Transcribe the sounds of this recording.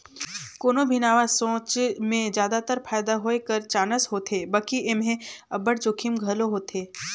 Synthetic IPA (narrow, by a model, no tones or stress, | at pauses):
koːnobʱɪnaːʋasõːt͡ʃmẽzjaːd̪at̪əɾpʰaːjd̪aɦoːekəɾt͡ʃaːnəsɦoːt̪ʰeːbəkiʔɪmɦẽɐbəɽd͡ʒoːkʰimɡʱɐloɦoːt̪eː